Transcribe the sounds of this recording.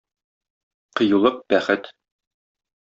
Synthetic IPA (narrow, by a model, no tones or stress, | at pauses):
qɤ̆julˠɤq̚bæχɘt̪